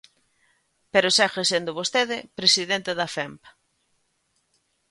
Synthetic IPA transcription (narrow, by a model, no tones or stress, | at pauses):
peɾosaxesend̪oβost̪eðɪpɾesiðent̪eðɐfɛmpḁ